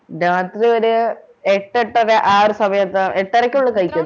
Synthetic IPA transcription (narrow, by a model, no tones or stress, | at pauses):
ɖaːt̪riɐɾɨ | eʈːeʈːɐðeʔaːrɨsɐmɐjɐt̪ːɐeʈːɐɾɐkʲːuɭːɐkɐjikʲːɐð